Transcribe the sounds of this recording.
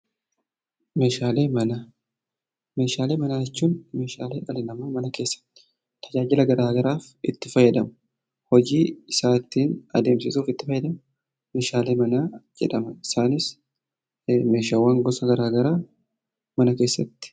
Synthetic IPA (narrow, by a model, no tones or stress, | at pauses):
me̞ːʃaːle̞ːmɐna | me̞ːʃaːleːmɐnaːjɛt͡ʃːuːnme̞ːʃa̰ːleːʔɐlɪnɐmamɐnɐke̞ːsːɐ̥t̪ːɪ̥ | t̪ʰɐd͡ʒaːd͡ʒɪlɐɡɐɾaːɡɐɾaːf | ɪt̪ːɪfɐjːɛd̪ɐmʊ̥ | hɔd͡ʒiːɪsaːt̪ːiːnɐd̪e̞ːmsɪsuːfɪt̪ːɪfɐjːɛd̪ɐmʊ | me̞ːʃaːle̞ːmɐnaːd͡ʒɛ̰ᶑɐmɐɪsaːnɪs | me̞ːʃaːwːaːŋɡɔsɐɡɐɾaːɡɐɾaː | mɐnɐke̞ːsːɐt̪ːɪ̥